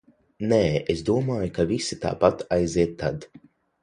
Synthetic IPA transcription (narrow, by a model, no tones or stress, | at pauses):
neːesd̪uɔmaːjukavisi̥t̪a̰ːpat̪ajziɛt̪ʰːa̰d̪